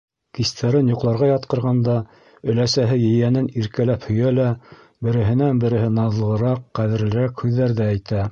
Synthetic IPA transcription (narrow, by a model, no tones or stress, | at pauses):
kist̪ʰæɾɘnjoqlˠɑɾʁɑjɑt̪̚qɤ̆ɾʁɑnd̪ɑ | ɵ̆læsæɦɘjɘ̆jænɘniɾkælæphɵ̆jælæ | bɘ̆ɾɘ̆ɦɘ̆nænbɘ̆ɾɘ̆ɦɘnɑðlˠɤ̆ʁɤ̆ɾɑqːæðɘ̆ɾlɘ̆ɾækhʉðːæɾðæːjt̪æ